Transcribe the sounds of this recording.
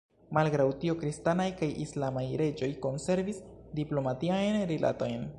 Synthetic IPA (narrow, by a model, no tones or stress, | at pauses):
malɡɾawtio̞kɾistanajkajʔislamajɾe̞d͡ʒo̞jko̞nse̞ɾvisdiplo̞matiajnɾilʔa̰to̞jn